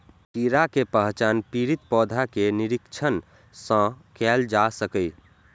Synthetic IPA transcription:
piɾakepəɦt͡ʃanpiɾit̪pɔːd̪ʱakeniɾikt͡ʃʰən | sə̃kɛld͡ʒasəkəi

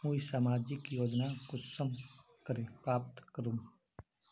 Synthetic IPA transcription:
ɦũisaːmaːd͡ʒɪkjoːd͡ʒnakʊsəm | kəɾepɾaːp̚t̪kəɾũm

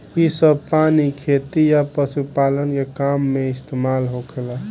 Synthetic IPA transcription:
isəb̚panikʰet̪ijapəsupalənkekamːeist̪ʰemalɦokʰela

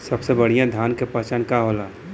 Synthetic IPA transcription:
sɐbsebɐɽ̤ijãd̪ʱjaːnkepəːt͡ʃankaɦoːlaː

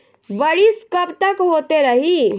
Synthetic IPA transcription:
ʋəɭiskəpt̪əkɦot̪eɾəɦi

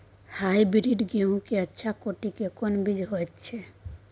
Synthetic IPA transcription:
hajbiɾiɖɡeũkeətːʃʰakoʈikekonbid͡ʒɦojt̪t͡ʃʰɛ

